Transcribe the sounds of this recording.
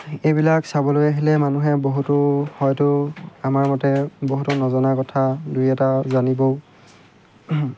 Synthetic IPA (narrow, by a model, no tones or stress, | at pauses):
ejbilaksabɔlojaɦilɛmanuɦɛboɦutʊhɔjtʊamaɹmɔtɛboɦutʊnɔzɔnakɔtʰadujɛtazanibɔ